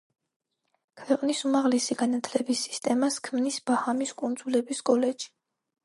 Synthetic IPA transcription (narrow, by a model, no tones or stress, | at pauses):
kʰwɛqʼnisumaʁlɛsiɡanat̪ʰlɛbisi̥st̪ʼɛmaskʰmnisb̥ahamiskʼund̪zulɛbiskʼɔlɛd͡ʒʒi̥